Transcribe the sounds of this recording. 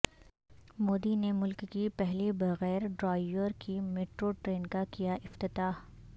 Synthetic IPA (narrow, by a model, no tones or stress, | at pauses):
moːd̪inemʊlkːipɛɦlibɐɣɛːɾɖɾaːɪjəɾkimeːʈɾoʈɾeːnkakijaʔɪft̪ɪt̪aːɦ